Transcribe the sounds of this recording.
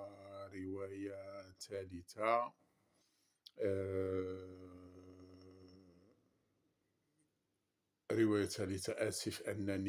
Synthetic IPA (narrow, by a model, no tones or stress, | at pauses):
ɾəwæjat̪ʰælit̪a | ɾəwæjæt̪ælit̪aʔæt̪ifʔænːæn